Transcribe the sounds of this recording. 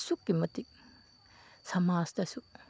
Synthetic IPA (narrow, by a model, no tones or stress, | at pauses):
sukːimɐt̪ːi | sɐmaːst̪ɐsu